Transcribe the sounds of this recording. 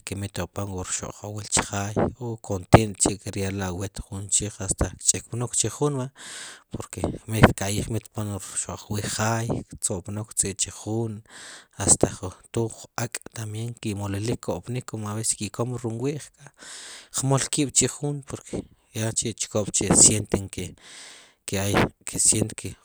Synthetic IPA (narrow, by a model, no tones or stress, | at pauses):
kemit̪opanwoɾʃo̰ʔχawilt͡ʃi̥χajokʰont̪ent̪t͡ʃeʔkiɾjalawet̪χunt͡ʃiχast̪akt͡ʃʼek̚pnokt͡ʃiχunwaʔpʰoɾkḛmet̪kaʔjiːχmit̪panɾʃoʔχwiχaːjkt͡soʔpnokt͡sʼeʔt͡ʃiχuːnast̪ʰaχut̪uχakʼt̪amjeŋkimolelikʰːoʔpnikʰːomaβese̥skikomɾunwiːʔχkʼaʔχmolkiːɓ̥t͡ʃiχunpoɾkʰe | jat͡ʃet͡ʃkoɓ̥t͡ʃesjent̪eŋke | keajkʰesjent̪e̥ke